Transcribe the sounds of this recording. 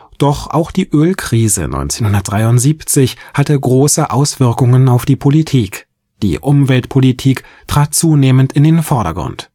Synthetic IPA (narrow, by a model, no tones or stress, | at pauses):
d̥ɔχʔa̰ʊxd̥iːʔøːlkʁ̥iːzə̰nɔ̰ʏnt͡seːnhʊndɐt̚d̥ʁaɪʊntz̥iːpt͡sɪçhatəɡʁoːsəʔaʊsv̥ɪɐkʊŋənaʊfd̥iːpʰolitʰiːk | d̥ḭːʔʊmvɛltpʰolitʰiːktʁ̥aːt̚t͡suːneːməntɪndeːnfɔɐɾɐ̰ɡʁʊ̰nt